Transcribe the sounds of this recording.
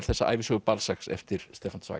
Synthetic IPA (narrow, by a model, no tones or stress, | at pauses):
θɛsːaʔa̰jvɪsɔɣʏpalsaksɛ̰ft̪ɪɾst̪ɛːfansva̰ː